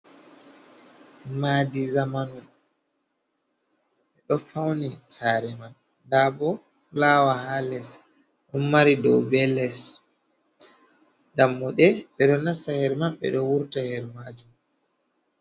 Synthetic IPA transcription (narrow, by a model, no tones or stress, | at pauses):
madizamanum | ɓɛɗɔfawnisaɾɛman | dabɔ | laːwahalɛs | ɗɔmːaɾidɔwbɛlɛs | ɡamːɔɗɛɓɛɗɔnasahɛɾmamɓɛ̰ɗɔwuɾtahɛɾmad͡ʒi